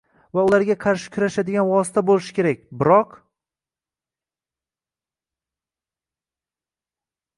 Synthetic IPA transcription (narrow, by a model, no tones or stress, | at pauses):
vaʊlaɾɡʲaqʰɑɾʃɪ̥kʲʰʊɾaʃad̪ɪɡʲanwɒsɪ̥t̪ʰabolɪʃɪ̥kʲʰe̞ɾakʲbɪɾɒq